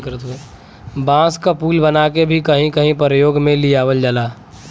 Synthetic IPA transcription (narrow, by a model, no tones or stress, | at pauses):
kəɾt̪e | bãːskapuːlbənaːkebʱikəɦĩkəɦĩpəɾəjoːɡmẽlijaːwəld͡ʒalaː